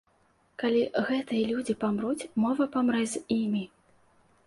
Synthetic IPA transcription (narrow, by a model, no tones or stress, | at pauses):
kalʲiɣɛt̪ɨjɐlʲud͡zʲipamɾut͡sʲmɔvɐpamɾɛzʲimʲi